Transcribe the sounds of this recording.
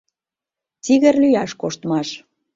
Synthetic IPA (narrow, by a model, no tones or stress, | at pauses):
t͡siɣə̆rlyjɑʃkoʃt̪mɑʃ